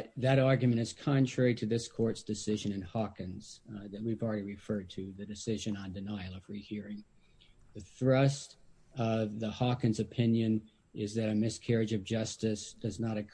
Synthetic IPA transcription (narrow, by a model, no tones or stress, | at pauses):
t̚ðɨɾɑɹɡjɨmɨ̃ɾ̃ɨz̥kʰɑ̃ntʰɹ̥ɛɹiɾɨðɪskʰɔɹtsd̥ɨsɪʒɨ̃nɨ̃nhɑkɨ̃nz̥ðɨt̚wivl̩ˠɹɛɾiɹɨfɜ˞d̚tʰɨðɨdɨsɪʒɨ̃nə̃ndɨnaɪl̩ˠʌvɹihiɹɪ̃ŋ | ðɨθɹʌst | ʌvðəhɑkɨ̃nzɨpʰɪ̃njɨ̃n | ɪzðɨɾɨmɪskʰɛɹɨd͡ʒʌvd͡ʒʌstɨsd̥ʌznəɾɨk